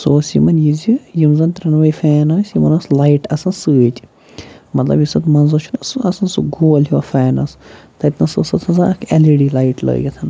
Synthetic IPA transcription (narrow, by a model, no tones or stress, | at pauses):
soːsḭmɐnjizijimzɐnt̪ɾɐnʋɐjifeːnɐːsjimɐnɐslaiʈɐsɐnsɨːt̪ʲi | mɐt̪lɐ̰bjisɐt̪mɐnzɐt͡ʃʰunɐsɨɐsɐnsuɡoːlɦiʋɐ̰faːnɐst̪ɐt̪nɐsɐsɐt̪ʰɐzaɐkʰɐliɖiːlaiʈlə̰ːɡɐt̪ʰɐn